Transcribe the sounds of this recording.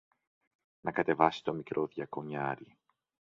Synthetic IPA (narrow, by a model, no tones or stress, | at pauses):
nɐkɐt̪e̞vɐsi̥t̪o̞mikɾʔoðʝɐkoɲɐɾi